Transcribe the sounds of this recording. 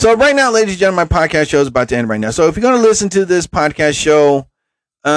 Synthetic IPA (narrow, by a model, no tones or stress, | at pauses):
soʊɹaɪtⁿnaʊleɪɾizd͡ʒɔ̃ɪ̃maɪpʰɑd̚kʰæstʃoʊzəbaʊt̚dæ̃ñɹaɪtⁿnaʊsoʊɨfjə˞ɡɑnəlɪsɨ̃ntʰɨðɪspʰɑd̚kʰæstʃoʊ | ʌ